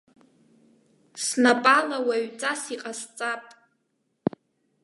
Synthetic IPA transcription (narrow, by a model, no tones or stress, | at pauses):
snapʼalawaɥt͡sʼasiqʼast͡sʼapʼ